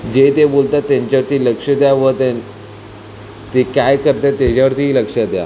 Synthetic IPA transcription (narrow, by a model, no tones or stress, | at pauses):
d͡ʑet̪ebolt̪at̪ːãɲt͡ɕaʋəɾt̪iːləkʂəd̪jaʋət̪en | t̪ekajkəɾt̪at̪et͡ɕaʋəɾt̪iːləkʂəd̪ja̰